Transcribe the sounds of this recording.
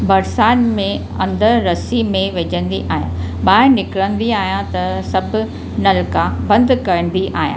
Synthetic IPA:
bɐɾsaːnmẽ | ɐ̰̃nd̪əɾɾɐsimẽʋed͡ʑə̃nd̪iʔaːɦijã̰ | ɓaːɪɾnɪkɾə̃nd̪iaːɦjãt̪ɐsɐbʱʊ | nɐlkabɐ̃nd̪kɐɾə̃n̆d̪iʔaːɦijã̰

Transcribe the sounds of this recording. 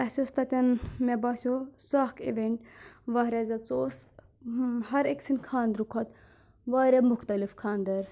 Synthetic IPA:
ɐsʲost̪ɐt̪ʲɐnmebasʲosahkʰḭʋeɳʈʋaːɾʲazɐt͡soːs | ɦɐɾeksinkʰaːnd̪ɾukʰɐt̪ | ʋaːɾʲɛmʊxt̪ɐlifkʰaːnd̪ɐɾ

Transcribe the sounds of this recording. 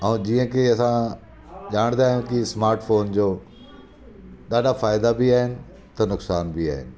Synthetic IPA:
ɐ̃d͡ʑiːə̃keɐsã | ʄaːɽ̃d̪aːɦjũkismaːɾʈfoːnd͡ʑoː | ɗaːɗafaːjɪd̪abiaːɦɪnɪ̆ | t̪ɐnʊksaːnbʱia̰ːɦɪ̰nɪ̆

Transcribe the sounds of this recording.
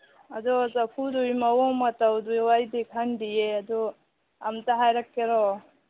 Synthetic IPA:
adɔzapʰudujmawɔmatawdujwajdikʰandijeadɔ | amtaɦajɾakːeɾɔ

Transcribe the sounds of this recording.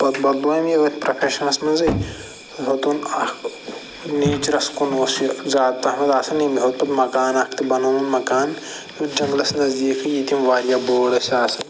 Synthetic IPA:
bɐt̪bɐt̪̚boːjɐmiʋɐt̪ʰʲpɾɐpʰeːʃɐnɐsmɐnzɐj | ɦot̪unɐk | neːt͡ʃɐɾɐskunoːszaːd̪t̪ɐhmɐzaːsɐnimiɦot̪ɐt̪mɐkaːnɐkʰt̪ibɐnoːmɐnmɐkaːn | jud͡ʒɐ̃ŋɡlɐsnɐzd̪iːkʰɐjit̪imʋaːɾjaːboːɽɐsʲaːsɐ

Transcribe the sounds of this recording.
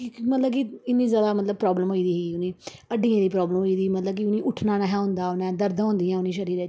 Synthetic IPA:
kːmət̪ləbkɪɪnːĩːzjaːd̪aːmət̪ləb̚pɾɔːbləmɦoːiːd̪iːɦiːʊnĩːəɖĩːãːd̪iːp̬ɾɔːbləmɦoːiːd̪iːmət̪ləb̚kɪʊnĩːʔʊʈʰnãːnaɦɛ̃ːɦʊ̃nd̪aːʊnɛ̃ːd̪əɾd̪ãːnd̪ijãːʊnĩːʃəɾiːɾ

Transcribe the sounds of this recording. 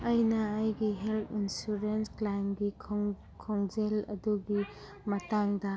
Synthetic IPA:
ajnɐːjɡiɦeltʰinsuɾensklajmɡikʰ | kʰoŋzelɐ̰duɡi | mɐtaŋdɐ

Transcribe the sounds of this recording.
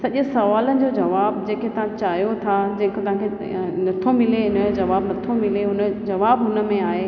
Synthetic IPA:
sɐʄʊsɐʋaːlənɪ̆d͡ʑoːd͡ʑɐʋaːbd͡ʑẽːkʰet̪ɐʋ̤ãt͡ɕaːɦijot̪ʰad͡ʑɐ̃ːkt̪ɐʋ̤ãkʰe | nɐt̪ʰomɪleɪnəd͡ʑod͡ʑɐʋaːbnɐt̪ʰomɪleɦʊnəd͡ʑɐʋaːbɦʊnə̆mẽaːɦeː

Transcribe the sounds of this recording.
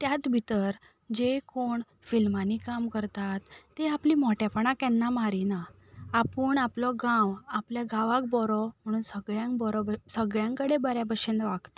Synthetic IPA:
t̪jat̪bʱit̪əɾ | d͡ʑekoɳ | filmanikamkəɾt̪at̪ːeapliːmɔʈjapəɳ̃akjɛnːamaɾinaː | pəːɳaplɔɡãwapljaɡaʋãk̚bɔɾɔm̤əɽ̃uːnsəɡɭjãŋk̚bɔɾɔsəɡɭjãŋkəɽebəɾjabəɕend̪ʋaɡt̪a

